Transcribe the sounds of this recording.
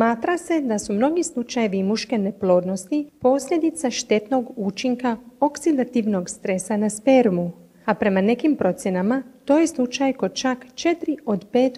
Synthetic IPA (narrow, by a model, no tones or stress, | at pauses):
maːt̪ɾase̞d̪asumno̞ɡislˠut͡ʃaje̞ʋimuʃke̞ne̞plˠo̞ːd̪no̞st̪ipo̞ːsʎʲe̞d̪it̪saʃt̪e̞t̪no̞ɡuːt͡ʃiŋkao̞ksid̪at̪iʋno̞ɡst̪ɾe̞sanaspe̞ɾmu | apɾe̞mane̞kimpɾo̞t̪sje̞namat̪o̞ːjeslˠut͡ʃajko̞d̪t͡ʃakt͡ʃe̞t̪ɾio̞d̪pe̞ːt̪